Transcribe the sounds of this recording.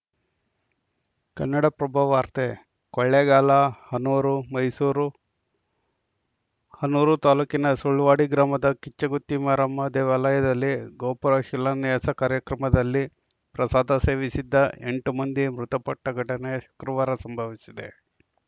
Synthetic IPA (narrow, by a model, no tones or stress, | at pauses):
kɐnːɐɽɐpɾɐbʱɐʋaːɾt̪e | kɔɭːeɡaːlɐhɐnuːɾumɐjsuːɾu | hɐnːuːɾut̪aːluːkinɐsuɭʋaːɽiɡɾaːmɐd̪ɐkit͡ʃːɐɡut̪ːimaɾɐmːɐd̪ɛːʋaːlɐjɐd̪ɐlːiɡoːpɐɾɐʃilːɐnɐasɐkaːɾjɐkɾɐmɐd̪ɐlːi | pɾɐsaːd̪ʱɐse̞ːʋisid̪ːɐʔḛɳʈumɐnd̪imɾut̪ɐpɐʈːɐɡʱɐʈɐneʃɐ̥kɾɐʋaːɾɐsɐmbʱɐʋisid̪e̞̰